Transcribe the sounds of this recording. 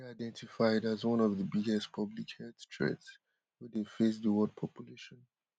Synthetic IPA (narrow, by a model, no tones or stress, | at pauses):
aɪdɛ̃ntʰifaɪdazwʌ̃nɔvðəbiɡɛstpʰʌblikhɛdstʰɹ̥ɛ̰ts | wɛðefes̬ðəwɔd̚pʰɔpʰjuleʃɔ̃n